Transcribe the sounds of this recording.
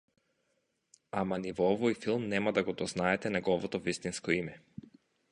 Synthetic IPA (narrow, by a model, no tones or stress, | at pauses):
amanivɔɔvɔjfilˠmnɛmad̪aɡɔd̪ɔznaɛt̪ɛnaɡɔvɔt̪ɔvist̪inskɔimɛ